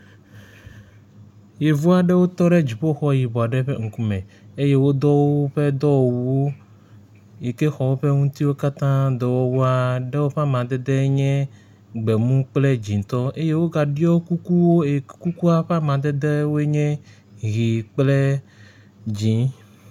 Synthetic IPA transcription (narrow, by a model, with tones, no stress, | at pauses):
je˨vu˦a˦ɖe˦wo˦t̪ɔ˦ɖɛ˦d͡ʑi˨ɸo˦xɔ˦ji˨bɔ˨a˨ɖɛ˦ɸe˦ŋ̩˨ku˦mɛ̃˨ | e˦je˦wo˦d̪ɔ˦wo˦ɸe˦d̪ɔ˦wo˨wu˨wo˦ | je˨ke˦xɔ˨wo˦ɸe˦ŋũ˦t̪i˦wo˦ka˦t̪ã˦d̪ɔ˨wɔ˦wu˦a˦ɖe˦wo˦ɸa˦mã˨d̪ɛ˦d̪ɛ˦ɲɛ̃˦ | ɡ͡bɛ˨mũ˦k͡ple˦d͡ʑĩ˨n˨t̪ɔ˦e˦je˦wo˦ɡa˨ɖi˦ɔ˦wku˦ku˦wo˦e˨˦ku˦ku˦a˦ɸa˦mã˨d̪ɛ˦d̪ɛ˦wo˦e˦ɲɛ̃˦ | ɣi˨k͡ple˦ | d͡ʑĩ˨˦